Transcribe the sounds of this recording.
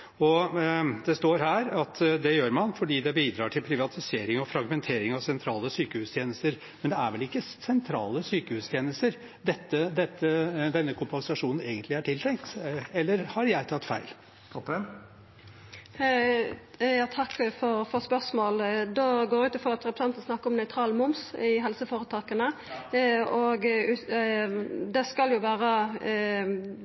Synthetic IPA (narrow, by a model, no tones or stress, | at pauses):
ɔd̪ɛst̪oːɾhæːɾɑt̪ʰd̪ɛjøːɾmɑnfɔɖiːd̪ɛbiːd̪ɾɑːʈʰɪlpʰɾɪʋɑt̪ʰɪseːɾɪŋɔfɾɑɡmɛnt̪ʰeːɾɪŋɑʋsɛnt̪ʰɾɑːləsyːkəhʉːst̪ʰjeːnəst̪əɾ | mɛnd̪ɛæɾʋɛlɪkːəsɛnt̪ʰɾɑːləsyːkəhʉːst̪ʰjeːnəst̪əɾ | d̪ɛt̪ːəd̪ɛt̪ːəd̪ɛnːəkʰʊmpɑŋsɑʂuːnn̩eːɡənt̪lɪæʈʰɪlt̪ʰɾɛŋkt̪ɛlːəɾhɑɾjæɪt̪ʰɑt̪ːfæ̰ɪlʰ | ɔə | jɑːt̪ʰɑkːfɔɾfɔʁspœʁsmoːld̪oɡoːɾʉːt̪əfɔʁɑt̪ɾɛpɾəsɑnt̪ən̩snɑkːəɔmnœʏt̪ʰɾɑːlmʊmsɪɦɛlsəfoːʁət̪ʰɑːkənə | ɔɡ | d̪ɛskɑljʊʋæːɾə